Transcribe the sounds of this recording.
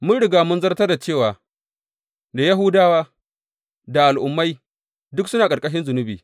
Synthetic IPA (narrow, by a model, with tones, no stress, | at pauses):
mʊ˦nɽɪ˨ɡaː˨mʊ˦nzɐ˦rtɐ˦rda˨t͡ʃeː˦˨waː˨ | da˨ja˦ɦʊ˦daː˦waː˦ | da˨ʔa˨lʔʊ˨mːa˦j | dʊ˦ksʊ˦naː˨kʼɐ˨ɾkʼɐ˦ʃ̬ɪ˦nzʊ˨nʊ˦biː˨